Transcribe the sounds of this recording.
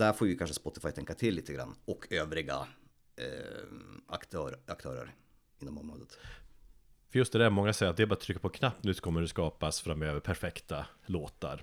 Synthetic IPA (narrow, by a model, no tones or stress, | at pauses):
d̪æɾfoːɾʋɪkʰanʂəspɔt̪ːɪfajt̪ʰɛŋkːat̪ʰɪlːiːt̪ːəɡɾa̰nːɔkʰøːvɾɪɡa̰ | a̰kt̪ʰøːɾak̚t̪ʰø̰ːɾə̰ɾ | ɪnːɔmɔmɾoːd̪ət̪ | fœɾjɵst̪̚d̪ɛd̪ɛæɾmɔŋːasɛjːɾt̪d̪ɛbɑːɾat̪ʰɾʏkːapʰɔkʰnapːnʉ̟ːsɔ̥kʰɔmːəɖ̪ɛskɑːpasfɾamøːvəɾpʰæɾfɛkt̪aloːt̪a̰ɾ